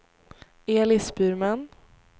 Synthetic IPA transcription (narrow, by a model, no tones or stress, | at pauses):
eːlɪsbʉːɾman